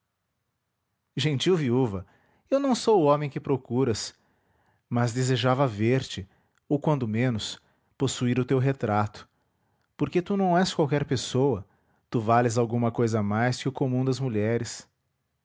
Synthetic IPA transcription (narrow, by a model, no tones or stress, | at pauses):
ʒẽt͡ʃiwviuvɐ | ewnɐ̃w̃sowʊɔ̃mẽj̃kɪpɾokuɾɐs | mɐzd̪ezeʒavɐveɾt͡ʃɪ | owkwɐ̃nd̪ʊmẽnʊs | posuiɾʊt̪ewɦet̪ɾat̪ʊ̥ | poɾket̪unɐ̃w̃ɛskwawkɛɾpesowɐ | t̪uvalɪzawɡũmɐkojzɐmajskɪʊkomũd̪ɐzmuʎɛɾɪs